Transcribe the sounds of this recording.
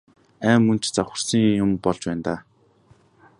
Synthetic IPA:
æːmːɵn̥t͡ɕt͡saχʲə̆rsiŋjʊmpɔɮt͡ɕpæːnt̪aː

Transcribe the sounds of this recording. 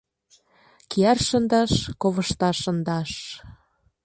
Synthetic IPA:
kiɑrʃɤnd̪ɑʃkoβɤ̆ʃt̪ɑʃːɤ̆nd̪ɑʃ

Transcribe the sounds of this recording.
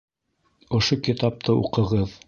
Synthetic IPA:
ŏʃokit̪ɑp̚t̪ʰɤṵqɤ̆ʁɤð

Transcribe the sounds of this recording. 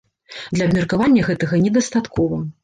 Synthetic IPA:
d̪lʲɐbmʲɛrkavanʲːɐɣɛt̪ɐɣɐnʲɛd̪ɐst̪at̪kʰɔvɐ

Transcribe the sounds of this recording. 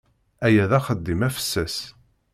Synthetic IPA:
æjæðæχəd̪ːimæfə̥sːæs

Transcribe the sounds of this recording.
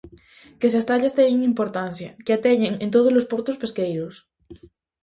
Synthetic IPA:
kesast̪aʎast̪eɲeŋimpoɾt̪an̟θja̰keat̪eɲeŋẽnt̪̬oð̞ozlospoɾt̪ospeskejɾos

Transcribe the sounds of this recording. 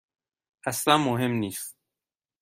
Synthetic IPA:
ʔæslænmoɦe̞mniːst̪

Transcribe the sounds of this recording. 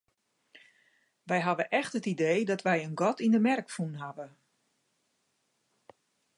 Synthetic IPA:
ʋɛjɦaʋəʔɛxtətideːdɔtʋɛjənɡɔtindəmɛrkfunɦaʋə

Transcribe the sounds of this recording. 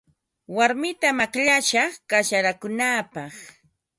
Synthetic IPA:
waɾmɪt̪amakʎaʃakaʃaɾakʊnaːpɑχ

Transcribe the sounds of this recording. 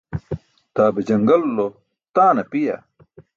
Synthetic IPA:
t̪aːbed͡ʑɐŋɡɐlːo | t̪aːnɐpija̰

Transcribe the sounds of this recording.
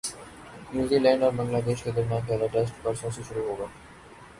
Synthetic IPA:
njuːziːlɛ̃ːɳɖɔːɾbɐ̃ŋɡlaːd̪eːʃked̪ɐɾmjãːnpɛːlaʈɛsʈpɐɾsõːsiʃʊɾuɦoːɡaː

